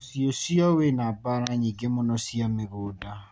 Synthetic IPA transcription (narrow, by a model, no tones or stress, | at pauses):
siɔsiɔwenabaɾaɲiɡemʊnɔsiamɪɣʊda